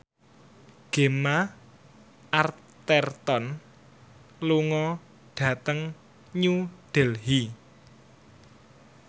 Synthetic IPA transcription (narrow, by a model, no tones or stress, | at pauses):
ɡ̥e̤ma | ʔar | t̪ɛrt̪ɔn | luŋɔ | ɖ̥ä̤t̪əŋ | ɲuɖ̥ɛ̤lɦi